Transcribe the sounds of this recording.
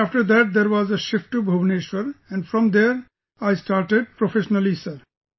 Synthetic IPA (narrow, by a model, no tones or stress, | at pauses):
æfʈəɾd̪æʈ̚d̪eɾwɔzeʃɪfʈubʱobneʃʋəɾɛ̃nɖfʰɾɔ̃md̪eɾ | ajsʈaɾʈeɖ̚pɾofʰeʃɔnəlisəɾ